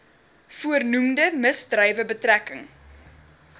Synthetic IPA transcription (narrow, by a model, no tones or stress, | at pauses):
fuərnumdəməsdrəjvəbətrækəŋ